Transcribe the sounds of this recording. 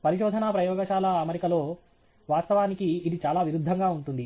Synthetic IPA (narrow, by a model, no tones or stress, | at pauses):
pɐɾiʃɔːd̪ʱɐnɐpɾɐjɔːɡɐʃaːlɐːmeɾikɐlo̞ː | ʋaːst̪ɐʋaːnikiːd̪it͡ʃaːlaːʋiɾud̪ʱːɐŋɡaːuɳʈund̪i